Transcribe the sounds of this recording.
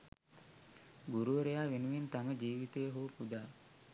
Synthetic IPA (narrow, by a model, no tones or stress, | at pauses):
ɡuɾuʋəɾejaːʋenuʋint̪aməd͡ʒiːʋit̪ejəɦuʋupud̪aː